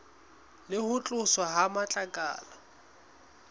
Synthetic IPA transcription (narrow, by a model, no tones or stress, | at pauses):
lɪhʊt͡ɬʼʊswaɦamat͡ɬʼakʼa̰ːla